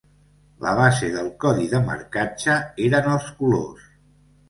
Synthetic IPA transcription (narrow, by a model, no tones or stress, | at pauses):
lə̰β̞azeðəlˠkɔðiðəmə̰ɾkat͡ʃəeɾənəlˠskulo̰s